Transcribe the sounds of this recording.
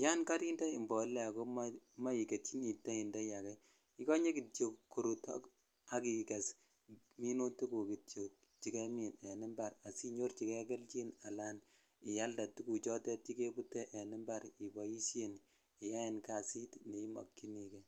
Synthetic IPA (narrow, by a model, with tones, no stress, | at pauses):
ja˦nka˦ɾi˦nda˦i˨mbɔ˨˦lːɛ˦a˨ko˦ma˦ma˦i˨ke˨ti˦ni˨tːa˦i˨nda˦ja˨kɛ˦ | i˦kɔ˦ɲe˦ki˨t͡ʃo˨kkːu˨ɾu˨ta̰˦k | a˦ki˨ke˨s | mi˦no˦tu˦ku˨ki˨tt͡ʃo˨k̚ | t͡ʃi˦ke˦mi˨ne˨ni˦mba˨ɾa˨si˦ɲo˦ɾt͡ʃi˨ke˦kɛ˦lt͡ʃi˦na˨la˦n | i˨ja˦lda˨tu˦ku˨t͡ʃɔ˦tɛ˦t̚t͡ʃi˦ke˦bu˦tɛ˦ʔe˨nɪ˦mba˦ɾi˨bɔ˨i˦ʃe˦n | i˨ja˦je˨nka˨si˦tne˨i˦mɔ̰˨kːi˦ni˨kɛ˨